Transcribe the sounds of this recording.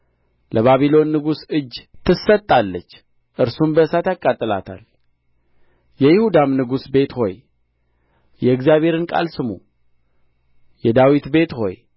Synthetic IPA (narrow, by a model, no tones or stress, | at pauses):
lʔəβaβilo̞nːɨɡusɨd͡ʒːt̪ʰɨsːət̪ʼːalːət͡ʃː | ʔɨɾsumbəɨsat̪jakʼːat̪ʼːɨla̰t̪ʰa̰l | jɛjɪhud̪amnɨɡusbe̞t̪ho̞j | jɛɨkzijaβhe̞ɾɨnkʼa̰lsɨmṵ | jɛd̪awit̪be̞t̪ho̞̰j